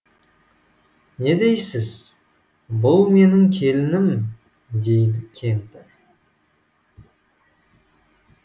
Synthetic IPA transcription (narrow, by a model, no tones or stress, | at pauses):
ne̞d̪e̞jsɪz | bʊlˠme̞nɪŋkʲʰe̞lɪnɪm | d̪e̞jd̪ɪkʲʰe̞mpɪɾ